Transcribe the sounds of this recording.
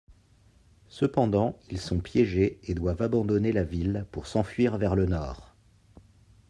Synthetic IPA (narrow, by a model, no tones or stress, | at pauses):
səpɑ̃d̪ɑ̃ilsɔ̃pjɛʒeed̪wavabɑ̃d̪ɔnelavilpuʁsɑ̃fɥiʁvɛʁlənɔːʁ